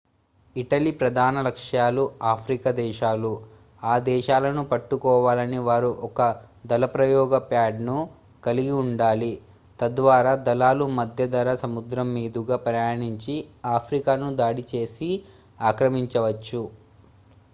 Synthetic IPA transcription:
iʈɐlipɾɐd̪ʱaːnɐlɐkʂjaːluaːpʰɾikɐd̪ɛːʃaːlu | aːd̪ɛːʃaːlɐnupɐʈːukɔːʋaːlɐniʋaːɾuʔɔkɐd̪ɐlɐpɾɐjɔːɡɐpjaːɖnu | kɐliɡiuɳɖaːli | t̪ɐd̪ʋaːɾaːd̪ɐlaːlumɐd̪ʱjɐd̪ɐɾɐsɐmud̪ɾɐmːiːd̪uɡaːpɾɐjaːɳiɲt͡ʃiaːpʰɾikaːnud̪aːɽit͡ʃe̞ːsi | aːkɾɐmiɲt͡ʃɐʋɐt͡ʃːu

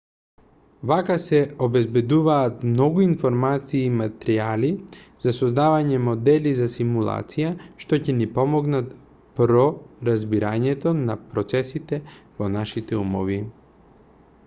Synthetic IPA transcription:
vakasɛobɛzbɛd̪uvaːt̪mnɔɡuinfɔɾmat̪siːmat̪ɾializ̥asɔzd̪avaɲɛmod̪ɛlizasimulˠa̰t̪sijaʃt̪ɔcɛnipɔmɔɡnat̪ | pɾɔɾazbiɾaɲɛt̪ɔnapɾɔt̪sɛsit̪ɛvonaʃit̪ɛumɔvi

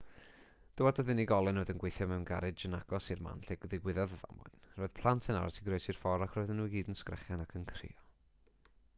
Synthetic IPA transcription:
d̥əwɔdɔðɪniɡɔlˠɛnoɔːðənɡwejθjɔmɛwnɡa̰ɾɨd͡ʒənaɡ̥ɔsirma̰nɬɛɡðɪɡwɪðaðəða̰ma̰jnrɔːɨð̥pʰlˠantʰəna̰ɾa̰sʰiɡroɨsir̥fɔɾakʰrɔɨðənːuːɡiːdənskrɛ̰χjanakʰənkʰrɪ̰ɔ

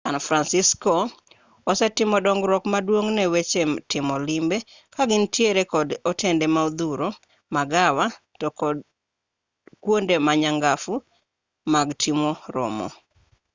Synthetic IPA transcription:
sanfɾansiskɔ | ɔsɛtɪmɔdɔŋɡɾɔkmadwoŋnɛwet͡ʃemtɪmɔlɪmbe | kaɡɪntjeɾekɔdɔtʰendemaod̪uɾo | maɡawa | tɔkɔ | kwondemaɲaŋɡafu | maɡtʰimoɾɔ̰mɔ̰

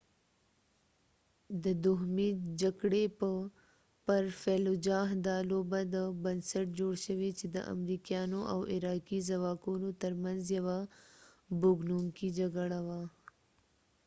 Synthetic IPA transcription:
d̪əd̪ʊɦmid͡ʒaɡɽepə | pəɾfelod͡ʒɑɦd̪ɑlobad̪əbənsaʈ̚d͡ʒoɽʃəwet͡ʃed̪ə̰ʔa̰mɾikjɑnoʔawʔɪɾɑkizawɑkunot̪əɾmanzjawa | bʊɡnuŋkid͡ʒaɡəɽawa

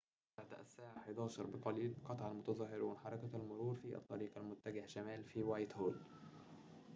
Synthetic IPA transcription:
baʕd̪ʔæsːaːʕaħed̪ɑːʃɑɾˤbɪqɑliːlqɑt̪ˤʕalmʊt̪ɑzˤɑɦːɪɾwɪnħɑɾˤɑkæælmʊɾuːɾfiʔɑ̰t̪ˤːɑɾiːqɑlmʊt̪ːæɡɪhʃæmæːlfiːwaːjt̪hoːl

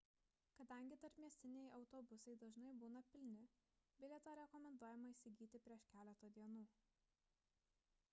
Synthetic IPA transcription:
kɐd̪ɐˑŋʲɡʲɪt̪ɐɾʲpʲmʲiɛsʲt̪ʲɪnʲɛjɒʊt̪ɔːbʊsɐɪd̪ɐʒnɐɪbuːnɐpʲɪlʲnʲɪbʲɪlʲɛt̪oːɾʲɛkɔmʲɛnd̪uɔjɛmɐiːsʲɪɡʲiːt̪ʲɪpʲɾʲiɛʃkʲæːlʲɛt̪oːd̪ʲiɛnuː

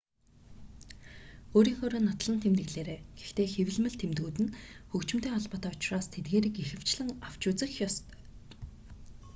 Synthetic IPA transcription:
oːɾiːŋxoɾoːnːat̪ɮə̆nt̪ʰemt̪ɘ̆ɣɮeːɾeːɡ̥ext̪eːxew̆ɮmɘ̆ɮt̪ʰemt̪ɣuːt̪ɘ̆nxɵkt͡ɕɪ̆m̥t̪eːŋɔɮpɔːt̪aːʊ̥t͡ɕraːst̪ʰet̪ɡeːɾiːkexɘ̆w̥t͡ɕɮə̆ŋaw̥t͡ɕʊːt͡sɘ̆xjɔst̪œ̥

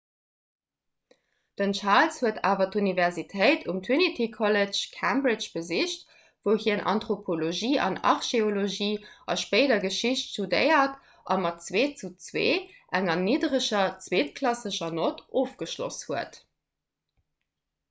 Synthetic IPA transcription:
d̥ənt͡ʃaːlshuəta̰ːvɐtunivɛʁzitʰəɪtʰumtʰunitʰikʰɔləʃkʰæmbʁit͡ʃb̥əziʃt | voʊhiənʔɑ̰ntʁopʰoloʒiːʔɑ̰nɑ̰ʁʃeoloʒiːʔɑʃpɜɪdɐɡəʃiɕtʃtudəɪɐt | ʔɑmɑtt͡sweːt͡sut͡swḛːʔæŋɐniːdʁəʃɐt͡sweːtkʰlɑsəʃɐnoːtʔoːfɡ̥əʃlo̰shuət

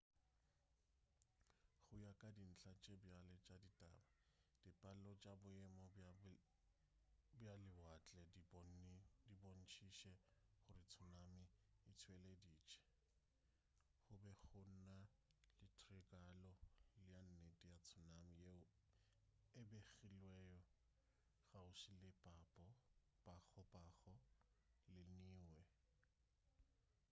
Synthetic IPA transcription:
χʊjakʼadin̩ɬat͡ʃʼɛbjalɛt͡ʃʼaditʼa̰ːbad̥ɪpʼalɔt͡ʃʼabʊɛmɔ | bjalɪwat͡ɬʼɛ | dibon̩t͡ʃʰiʃɛχʊrɪt͡sʰʊnamɪɪt͡sʰwelediːt͡ʃʰʼɛ̥ | χʊbɛχʊn̩na | lɪtʰrɪkʼalɔlɪjan̩netʼijat͡sʰʊnamɪje | ɪbeɣilwɛjɔ | ɣaʊʃilɪpʼapʼɔ | pʼak͡xʰɔpʼaχɔ | lɪniːwɛ

